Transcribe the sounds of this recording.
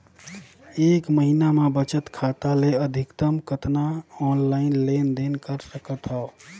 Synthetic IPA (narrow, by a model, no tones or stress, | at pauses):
ekməɦinamebət͡ʃət̪kʰat̪aleəd̪ʱikt̪əmkət̪naɔnlaɪnlend̪enkəɾsəkət̪ɦɔo